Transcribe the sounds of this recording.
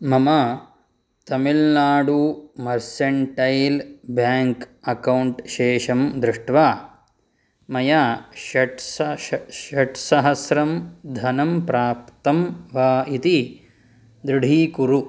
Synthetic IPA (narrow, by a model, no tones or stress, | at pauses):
mɐmɐ | t̪ɐmilnaːɖumɐɾsɐɳʈɐjlbjaːŋkɐkɐwɳʈʃeːʃɐmd̪ɾuʂʈʋaː | mɐjaːʃɐʈsɐɐʈsɐɦɐsɾɐmd̪ʱɐnɐmpɾaːpt̪ɐmʋaːit̪i | d̪ɾuɽʱiːkuɾu